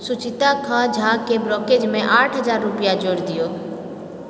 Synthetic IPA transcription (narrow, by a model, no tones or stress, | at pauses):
sʊt͡ʃɪt̪akʰãd͡ʒʱaːkeblɔːkeːd͡ʒmẽʔaːʈʰɦəzaːɾːʊpɪjad͡ʒoːɽd̪ɪjoː